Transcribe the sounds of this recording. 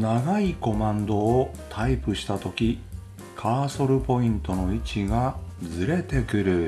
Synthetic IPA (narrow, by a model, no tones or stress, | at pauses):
naɡaiko̞mãnd̪o̞ː | t̪ʰaipɯ̟ɕi̥t̪at̪o̞kʲi | kʰaːso̞ɾɯ̟po̞ĩnt̪o̞no̞it͡ɕiɡazɨɾe̞t̪e̞kɯ̟ɾɯ̟